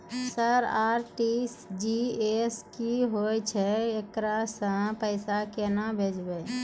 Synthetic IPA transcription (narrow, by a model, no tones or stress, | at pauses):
səɾaːɾʈisd͡ʒieskiɦojt͡ʃʰɛekɾasə̃pəɪsakenabʱeːd͡ʒbe